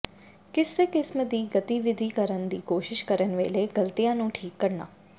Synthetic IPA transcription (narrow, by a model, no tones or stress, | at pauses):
kɪseːkɪsmd̪iːɡət̪iːʋɪd̪ʱiːkəɾənd̪iːkoːʃɪʃkəɾənʋḛːleːɡəlt̪iːjãːnũːʈʰiːkːəɾna̰ː